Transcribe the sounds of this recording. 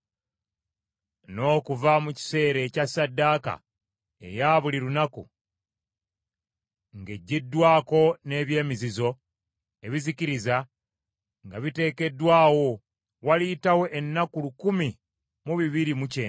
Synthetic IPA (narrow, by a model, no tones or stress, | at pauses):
no̞ːkuvamuci̥se̞ːɾe̞casːadːaːka̰ | e̞̰jaːβuliɾunakṵ | ŋɡe̞ɟːidːwaːko̞ne̞ːβje̞ːmizizo̞ | e̞βiziciɾiza | ŋɡaβite̞ːke̞dːwaːwo̞ | walitawo̞ʔenːakulukumi | muβiβiɾimuceː